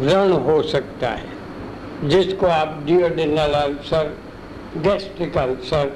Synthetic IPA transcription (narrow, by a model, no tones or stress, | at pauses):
ɾəɳ̃ɦosɐk̚t̪a̰ɦɛ̰ | d͡ʒɪskoaːp̚ɖioɖenalaːlsɐɾ | ɡɛːsʈɾɪkəlsɐɾ